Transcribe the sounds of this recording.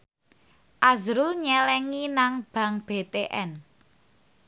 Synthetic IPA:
ʔazɾuɲɛlɛŋinaŋb̥ä̤ŋb̥et̪eʔɛn

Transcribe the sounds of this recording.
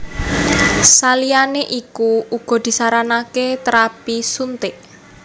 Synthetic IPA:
salianeʔikuuɡ̥ɔ̤d̪̥i̤saɾanaket̪əɾapisunt̪eʔ

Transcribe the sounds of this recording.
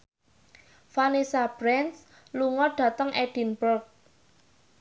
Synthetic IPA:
fanisab̥ɾɛns | luŋɔɖ̥ä̤t̪əŋʔɛɖ̥i̤nbərk̚

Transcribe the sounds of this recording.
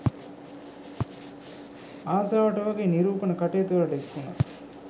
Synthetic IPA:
aːsaːʋɐʈɐʋɐɡeːniɾuːpɐnɐkɐʈeːt̪uʋɐɾɐʈɐekːunɐ̰

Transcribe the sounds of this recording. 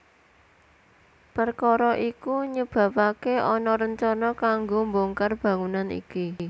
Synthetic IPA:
pərkɔɾɔʔikuɲəb̥ä̤pakeʔɔnɔɾəɲt͡ʃɔnɔkaŋɡomboŋkərb̥ä̤ŋunanḭki

